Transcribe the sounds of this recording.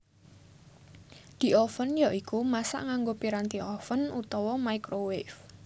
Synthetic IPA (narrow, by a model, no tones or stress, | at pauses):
d̪̥i̤ʔɔfənjaʔikumasa̰ʔŋaŋɡopiɾant̪iʔɔfənut̪ɔwɔmaikɾowɪf